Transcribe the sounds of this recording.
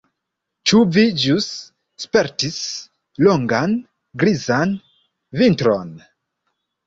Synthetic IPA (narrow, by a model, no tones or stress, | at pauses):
t͡ʃuvid͡ʒusː | pe̞ɾtis | loŋɡan | ɡɾizan | vintɾon